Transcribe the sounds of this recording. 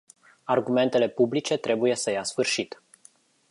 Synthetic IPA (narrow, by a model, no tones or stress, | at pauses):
arɡume̞nt̪e̞le̞publit͡ʃe̞t̪ɾe̞buje̞səjasfɨrʃit̪